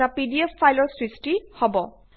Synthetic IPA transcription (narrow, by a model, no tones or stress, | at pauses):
apidiepːajlɔɹsɹistihɔbɔ